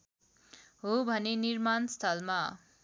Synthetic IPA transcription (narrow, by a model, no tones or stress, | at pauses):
ɦobʱʌneniɾmanst̪ʰʌlma